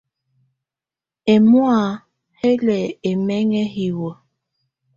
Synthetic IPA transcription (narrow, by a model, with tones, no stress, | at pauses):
e˨mu˦a˨ | he˦lɛ˨e˨mɛ˦ŋɛ˦ɦi˨wə˨